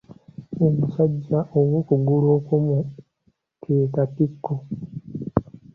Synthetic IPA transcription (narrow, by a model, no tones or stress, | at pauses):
omusaɟːaʔowokuɡuloːkomu | kʰeːkatikːo